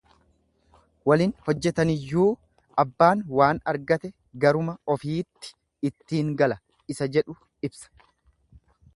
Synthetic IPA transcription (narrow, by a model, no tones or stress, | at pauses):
wɐliːnhɔd͡ʒːɛt̪ɐnɪjːuː | ʔɐbːaːnwaːnɐɾɡɐt̪ɛ | ɡɐɾʊmɐɔfiːt̪ːɪ̥ | ɪt̪ːiːŋɡɐlɐ | ɪsɐd͡ʒɛᶑʊ | ɪbsɐ̥